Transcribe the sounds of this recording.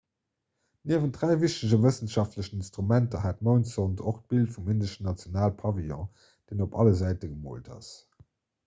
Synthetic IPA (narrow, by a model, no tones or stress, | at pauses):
niːɐvəndʁæɪviʃtəʑəvəsənʃɑftləɕəinstʁumæntɐɦæːtmoʊnsontoχt̚b̥iltfumindəʃənɑt͡sjonaːlpʰɑviɔ̃ | d̥eːnopʰɑ̰ləzæɪtəɡəmo̰ːltʰɑ̰s